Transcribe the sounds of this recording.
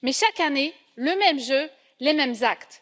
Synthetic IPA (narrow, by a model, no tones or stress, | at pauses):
mɛʃakane | ləmɛmʒø | lemɛmzakt̪